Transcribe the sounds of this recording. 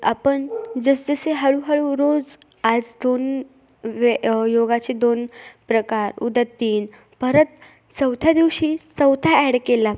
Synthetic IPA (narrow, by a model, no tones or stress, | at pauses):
a̰pəɳd͡zəsd͡zəseɦəɭuɦəɭuɾod͡z | ad͡zd̪on | ʋjoɡat͡ɕed̪onpɾəkaɾṵd̪ət̪ːiːn | pəɾət̪̚ | səwt̪ʰjad̪iʋɕiːsəwt̪ʰaɛɽkela